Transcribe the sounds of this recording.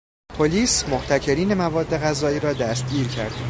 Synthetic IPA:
pʰoliːsmoht̪ʰæcʰe̞ɾiːne̞mævɒːd̪ːe̞ɣæzɒːiːɾɒːd̪æst̪̚ɟiːɾcʰæ̰ɾd̪̥

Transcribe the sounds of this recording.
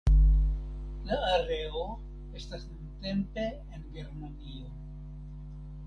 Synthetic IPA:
laːɾe̞o | e̞stasnunte̞mpe̞ːnɡe̞ɾmanio̞

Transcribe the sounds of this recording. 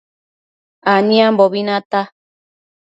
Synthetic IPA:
aɲĩãmboβinãt̪a

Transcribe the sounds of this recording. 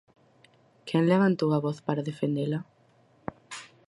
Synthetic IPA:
kʰenleβant̪owaβɔθpaɾaðefend̪ela

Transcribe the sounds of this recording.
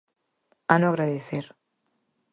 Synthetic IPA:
anoaɣɾaðeθeɾ

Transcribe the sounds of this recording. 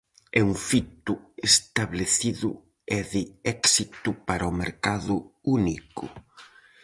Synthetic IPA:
ɛuŋfit̪ʊest̪aβleθiðʊ̰ | ɛðɪɛksit̪ʊpaɾɐɔmeɾkaðʊunikʊ̰

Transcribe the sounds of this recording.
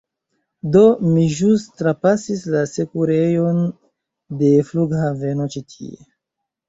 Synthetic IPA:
do̞miʒustɾapasislase̞kuɾe̞jo̞n | de̞fluɡhave̞no̞t͡ʃitʰḭḛ

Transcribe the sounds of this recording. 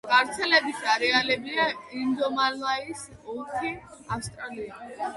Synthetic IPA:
ɡ̥aɾt̪sʰɛlɛbit̪ʰaɾɛalɛbliaimd̪ɔmallaisɔtʰiafst̪ʼɾalia

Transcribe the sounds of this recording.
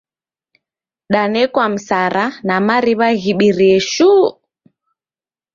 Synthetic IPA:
ɗanɛkwam̩saɾʔanamaɾiβaɣiɓiɾɛʃu

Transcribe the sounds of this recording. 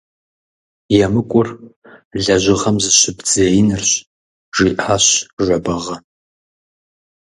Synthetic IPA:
jɛmɨkʷʼʊr | ɮɐʒʷɪʁɐmzɨɕɪbd͡zejɪnɨrɕ | ʒiːʔaːɕʒʷɔbɐʁɐ

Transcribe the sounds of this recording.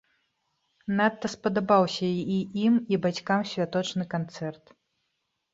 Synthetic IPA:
nat̪ːɐspɐd̪abawsʲɐiimibat͡sʲkamsʲvʲat̪ɔt͡ʂnɨkant̪sɛrt̪

